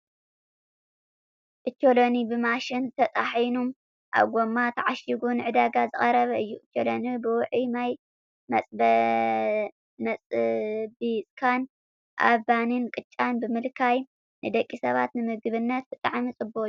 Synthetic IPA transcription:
ʔʼɨt͡ʃːolonibɨmaʃɪnzɨt̪ʰɐt̪ʼaħjnum | ʔa̰βɡomat̪ʰaʕaʃiɡunɨʕɨd̪aɡazɨχʼɐɾɐβɐɨjːuʔɨt͡ʃʰːolonibɨwʊʕimaj | mɐsʼ | mɐt͡sʼbisʼkʰan | ʔa̰banɨnkʼɨt͡ʃʼːanbɨmɨlkʰaj | nɨd̪ɐkʼːisɐβa̰t̪nɨmɨɡβɨnːɐt̪̚bɨt̪ʼaʕmit͡sʼɨbo

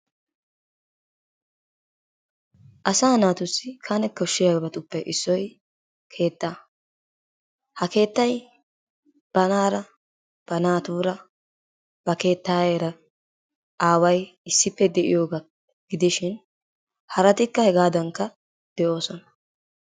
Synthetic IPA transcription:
ʔɐsaːnaːt̪ʊsːɪkʰanɛkːɔʃːɪjɐbɐt̪ʊpːɛʔɪsːɔj | kʰe̞ːt̪ːaː | hɐke̞ːt̪ːɐj | b̥ɐnaːɾɐ | b̥ɐnaːt̪uːɾɐ | b̥ɐke̞ːt̪ːaːjeːɾɐ | ʔaːwɐjɪsːɪpːɛd̪ɛʔɪ̰jo̞ːɡa | ɡ̥ɪd̪ɪʃɪn | hɐɾɐt̪ɪkːɐhɛɡaːd̪ɐŋkːɐ | d̪̥ɛʔo̞ːsɔnɐ̥

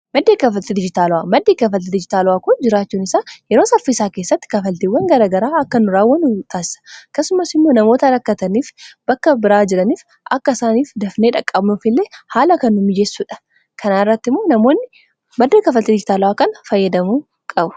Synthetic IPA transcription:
mɐd̪ːeːkɐfɐlt̪ɪd̪ɪd͡ʒɪt̪aːlʊwaːmɐd̪ːeːkɐfɐlt̪ɪd̪ɪd͡ʒɪt̪aːlʊwaːkʊnd͡ʒɪɾaːt͡ʃːuːnɪsaːjɛɾo̞ːsɐfɪsaːke̞ːsːɐt̪ːɪ̥kɐfɐlt̪iwːɐŋɡɐɾaːɡɐɾaːɐkːɐnʊɾaːwːɐnʊt̪ʰaːsɪ̥sɐ̥ɐkːɐsːʊmɐsɪmːo̞ːnɐmo̞ːt̪ɐɾɐkːɐt̪ɐniːfbɐkːɐbɪɾaːd͡ʒɪɾɐniːf | ʔɐkːɐɪsaːniːfd̪ɐfne̞ːᶑɐkʼːɐbnʊfɪlːeːhaːlɐkɐnːʊmɪd͡ʒɛsːuːᶑɐ̥ | kʰɐnaːɪrːɐt̪ːɪmːo̞ːnɐmo̞ːnːɪ | mɐd̪ːekɐfɐlt̪ɪd̪ɪd͡ʒɪt̪aːlʊwaːkɐnɐfɐjːɐd̪ɐmuː | kʼɐbʊ̥

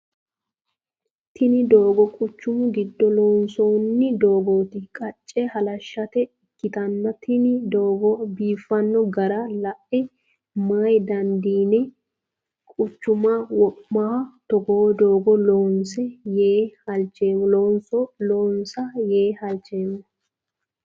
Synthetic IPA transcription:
t̪ɪnɪd̪o̞ːɡɔkʼʊt͡ʃːʊmʊɡɪd̪ːɔloːnsoːnːɪd̪o̞ːɡoːt̪ɪkʼɐt͡ʃʼːɛhɐlɐʃːɐt̪ɛɪkːɪt̪ɐnːɐt̪ʰɪnɪd̪oːɡɔbiːfːɐnːɔɡɐɾɐlɐʔɛ | majd̪ɐnd̪iːnɛ | kʼʊt͡ʃːʊmɐwɔpːɐhɐt̪ɔɡoːd̪o̞ːɡɔloːnsɛjeːhɐlt͡ʃːe̞ːmɔloːnsɔloːnsɐjeːhɐlt͡ʃːeːmːɔ

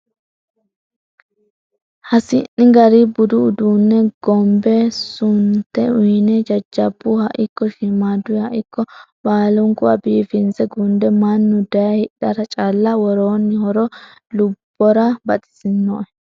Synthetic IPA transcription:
hɐsɪnːɪɡɐɾɪbʊd̪ʊːd̪uːnːɛɡ̥ɔmbɛsʊnt̪ːɛʊjnɛd͡ʒɐd͡ʒːɐbːʊhɐʔɪkːɔʃɪmaːd̪ʊjɐʔɪkːɔbaːlʊŋkʼʊwɐbiːfɪnzɛɡʊnd̪ɛmɐnːʊd̪ɐjɐhɪᶑɐɾɐt͡ʃʼaːlːɐwɔɾoːnːɪhɔɾɔ | lʊbːɔɾɐbɐt̪ʼɪ̥sɪnːɔɛ

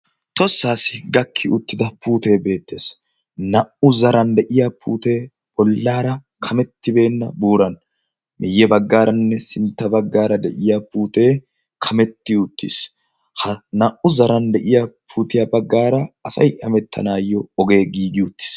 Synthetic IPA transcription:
t̪ɔsːaːsɪɡɐkʰːɪʔʊt̪ːɪd̪ɐpʰuːt̪e̞ːbe̞ːt̪ːe̞ːs | nɐʔʊzɐɾɐnd̪ɛʔɪjapʰuːt̪e̞ː | bɔlːaːɾɐ | kʰɐmɛt̪ːɪbe̞ːnːɐbuːɾɐn | mɪjːɛbɐɡːaːɾɐnːɛsɪnt̪ːɐbɐɡːaːɾɐd̪ɛʔɪjaːpuːt̪e̞ː | kʰɐmɛt̪ːɪʊt̪ːḭs | hɐnɐʔʊzɐɾɐnd̪ɛʔɪjapʰuːt̪ɪjabɐɡːaːɾɐɐsɐ̰jʔɐmɛt̪ʰːɐ̰naːjɔɔɡe̞ːɡiːɡɪʊt̪ːɪ̥s

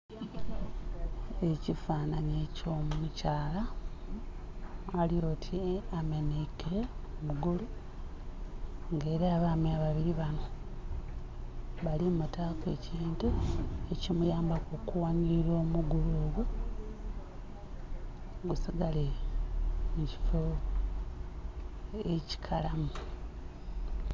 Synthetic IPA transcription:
e̞cifaːnaɲeco̞mmucaːla | lijo̞ːtʰiamenekeomuɡulu | ŋɡe̞ːɾeaβamiaβaβiɾiβano̞ | βalimutaːke̞ciːntuecimujaːmbakukuwaɲiɾiɾo̞ːmuɡuloːɡwe | ɡusiɡale | muci̥fo | eci̥kʰalamu

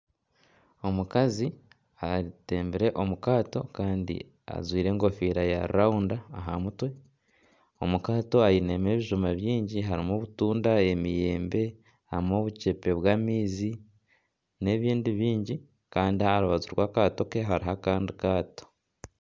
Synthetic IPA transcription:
o̞mukazi | aɾite̞ːmbiɾe̞ʔo̞mukaːto̞kaːndḭ | a̰zwiːɾe̞ːŋɡo̞fiːɾaja̰ɾṵɾaundaːɦamutwe̞ | o̞mukaːto̞ajine̞me̞ːβiʒumaβjiːɲɟiɦaɾimoβutuːndae̞mije̞ːmbe̞ | a̰imo̞βuce̞pe̞βwaːmiːzi | ne̞βiːndiβiːɲɟi | kaːndiaɾuβazuɾwaːkaːto̞keɦaɾiɦakaːndikaːto̥

